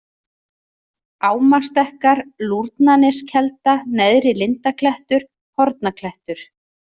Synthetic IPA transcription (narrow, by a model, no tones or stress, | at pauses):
aːwmast̪ɛhkaɾluɾt̪nanɪscʰɛlt̪anɛðɾɪlɪnt̪akʰlɛht̪ʏɾ̥ | hɔɾt̪̚nakʰlɛht̪ʏɾ̥